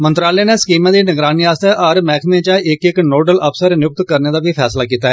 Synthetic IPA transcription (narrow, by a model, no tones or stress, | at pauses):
mənt̪ɾaːleːneːsə̥kiːmãːd̪iːnəɡɾaːniaːst̪ɛʔəɾmɛːkʰmẽːt͡ʃãːɪɪknoːɖəlʔəpʰsəɾnjʊk̚t̪kəɾneːd̪aːbiːpʰɛ̰ːslaːkiːt̪aːɦɛ